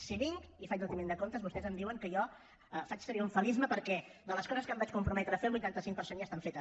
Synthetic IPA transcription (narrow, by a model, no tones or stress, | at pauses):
siβiŋkifaj̪ut̪imend̪əkont̪əzβust̪ɛzəmd̪iwəŋkəjɔ | əfat͡ʃsəɾiuɱfəlizməpəɾkɛðələskɔzəskəmbat͡ʃkumpɾumɛt̪ɾəfelˠbujt̪ant̪əsiŋ̚pəɾsenjast̪aɱfet̪ə